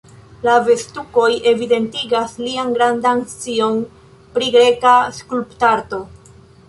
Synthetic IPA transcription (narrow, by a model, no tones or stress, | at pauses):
lave̞stuko̞jʔe̞vide̞ntiɡaslianɡɾandaŋt͡sio̞n | pɾiɡɾe̞kaskulptaɾto̞